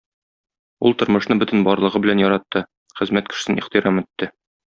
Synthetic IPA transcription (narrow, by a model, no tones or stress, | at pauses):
ṵlˠt̪ŏɾmɤ̆ʃnɤbɵt̪ɘnbɒɾlˠɤ̆ʁɤbɘ̆lænjɒɾɑt̪ːɤ | χɘ̆zmæt̪̚kɘ̥̆ʃsɘniχt̪iɾɑmɘ̆t̪ːɘ